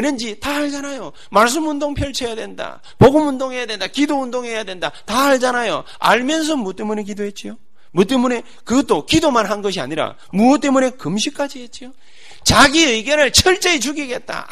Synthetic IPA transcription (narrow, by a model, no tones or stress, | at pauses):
enɯnd͡ʑitahaɭd͡ʑanajo | maɭs̬͈ɯmundoŋpʰjʌɭt͡ɕʰejadwe̞nda̰ | poɡɯmundoŋɦe̞jadwe̞ndakidoundoŋɦe̞jadwendataɦaɭd͡ʑanajo | a̰ɭmjʌns̬ʰʌmot͈e̞mune̞k̬idoɦe̞t̚t͡ɕ͈ijo | mut͈e̞mune̞ | kɯɡʌt͈okidomanɦanɡʌɕ̬ʰia̰ɲiɾa̰ | muʌt͈e̞mune̞kɯmɕ̬ʰik͈ad͡ʑiɦe̞t̚t͡ɕ͈ijo | t͡ɕaɡiɯjɡjʌnɯɭt͡ɕʰʌɭt͡ɕ͈eːt͡ɕuɡiɡe̞t̚t͈a̰